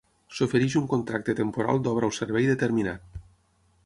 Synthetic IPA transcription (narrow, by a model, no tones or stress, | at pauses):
sofeɾiʃuŋkont̪ɾak̚t̪et̪empoɾa̰lˠd̪ɔβɾawseɾβɛjðet̪eɾminat̪̚